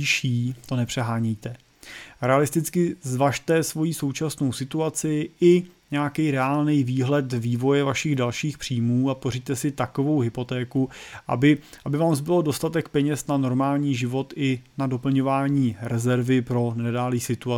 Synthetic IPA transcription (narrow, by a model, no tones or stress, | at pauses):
ʃiːt̪o̞nɛpr̝̥ɛɦaːɲijt̪ɛ | ɾɛalɪst̪ɪt͡skɪzvaʃt̪ɛsvo̞jiːso̞wt͡ʃasno̞wsɪt̪uat͡sɪʔɪɲɛjakɛjɾɛaːlnijviːɦlɛt̪viːvo̞jɛvaʃɪɣdalʃiːxpr̥iːmuːaporit̪ɛsɪt̪ako̞vo̞wɦɪpo̞t̪ɛːkuʔa̰bɪʔabɪvaːmzbɪlodo̞st̪at̪ɛkpɛɲɛsnano̞ɾmaːlɲiːʒɪvo̞t̪ɪnado̞pl̩ɲo̞vaːɲiːɾɛzɛɾvɪpɾo̞nɛdaːliːsɪt̪ua